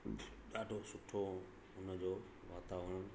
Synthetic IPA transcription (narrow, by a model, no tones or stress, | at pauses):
ɗaːɖʱosʊʈʰo | ʊnəd͡ʑoː | ʋaːt̪aːʋəɽ̃